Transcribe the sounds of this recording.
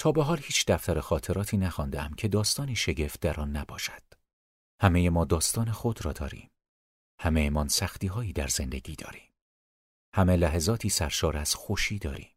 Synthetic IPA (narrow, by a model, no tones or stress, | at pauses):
t̪ʰɒːbeɦɒːlhiːt͡ʃʰd̪æft̪æɾexɒːt̪ʰe̞ɾɒːt̪ʰiːnæxɒnd̪eæmcʰe̞d̪ɒːst̪ɒːniːʃeɟe̞ft̪̚d̪æɾɒːnːæbɒ̰ːʃæ̥d̪̥ | hæmejemɒːd̪ɒːst̪ɒːnexod̪ɾɒːd̪ɒːɾḭːm | hæmejemɒnsæxt̪iːɦɒːiːd̪æɾz̥e̞nd̪e̞ɟiːd̪ɒ̰ːɾi̥ːm | hæme̞læɦezɒːt̪ʰiːsæɾʃɒːɾæz̥xoʃiːd̪ɒːɾḭːm